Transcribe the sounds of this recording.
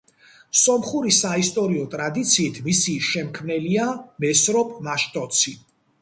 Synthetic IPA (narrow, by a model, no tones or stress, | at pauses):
sɔmχuɾisaist̪ʼɔɾiɔt̪ʼɾad̪it̪sʰiːt̪ʰmisiʃɛmkʰmnɛliamɛsɾɔpʼmaʃt̪ʼɔt̪sʰi